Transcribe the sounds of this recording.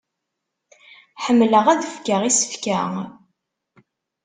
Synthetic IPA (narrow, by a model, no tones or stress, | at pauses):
ħəmːləʁæðəfkəʁisə̥fkæ